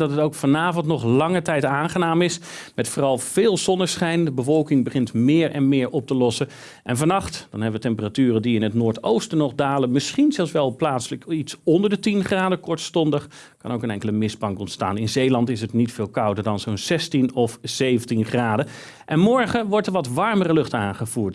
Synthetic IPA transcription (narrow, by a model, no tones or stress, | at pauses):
dɑtɦətowkfɑnaːvɔntnɔχlɑŋətɛjtaːχənaːmɪs | mɛtfʊːrɑlˠv̥ɪːlˠzɔnəsχɛjndəbəvɔlˠkɪŋbəχɪntmɪːɹɛ̰nmɪːɹʔɔp̚təlɔsə | ʔɛ̰nvɑnɑχtd̥ɑ̰nɦɛbəʋətɛmpəratyːrədiɪnɦətnʊːɹtowstənɔχdaːlənmɪsχinzɛlˠsʋɛlˠplaːtsləkitsɔndəɹdətinχraːdəkɔɹtstɔndəχ | kɑ̰nowkənɛŋkələmɪzbɑŋkɔntsta̰ːnɪnzejlɑntɪsətnitfɪːlˠkʌwdəɹdɑnzownzɛstinɔfz̥ejvəntinχraːdə | ʔɛnmɔɹχəʋɔɹtəɹʋɑtʋɑɹmərəlɵχtaːnχəv̥uːɹt